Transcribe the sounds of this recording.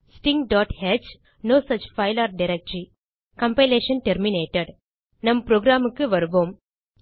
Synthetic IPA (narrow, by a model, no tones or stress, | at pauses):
sʈĩŋɡɖɔːʈhed͡ʒ | noːsɐt͡ʃfaɪlaːɾɖiɾek̚ʈɾi | kɐ̃mpeleːʃɐ̃nʈeɾmineːʈeɖ | nɐ̃mpɾoːɡɾaːmkːɨʋɐɾuboːm